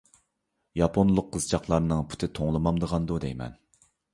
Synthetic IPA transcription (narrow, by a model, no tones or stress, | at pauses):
jɑpʰonlˠʊqʰːəzɨt͡ʃʰɑχlˠɑɾnɨŋpʰy̥t̪ʰɪt̪ʰoŋlˠɨmɑmd̪əʁɑnd̪ud̪ɛjmɛ̰n